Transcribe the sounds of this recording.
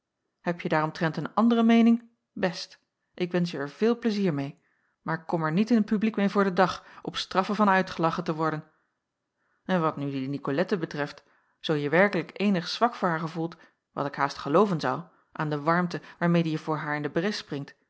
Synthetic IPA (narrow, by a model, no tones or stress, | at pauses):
hɛpjədaːɾɔmtrɛntənɑndərəmejnɪŋ | bɛst | ʔɪkʋɛnsjəɛɹv̥ɪːlˠpləziːɹmej | maːɹkːɔmɛɹnitɪnɦət̚pyblikmejvʊːɹdədɑχʔɔpstrɑfəvɑnœɥtχəlɑχətəʋɔɹdən | ɛnʋɑtnydinikolɛtəbətrɛft | z̥owjəʋɛɹkələkejnəχsʋɑkfʊːɹɦaːɹχəvulˠt | ʋɑ̰tɪkɦaːstχəlowvənzʌ̰w | ʔa̰ːndəʋɑɹmtəʋaːɹmejdəjəvʊːɹɦaːɹɪndəbrɪsprɪŋt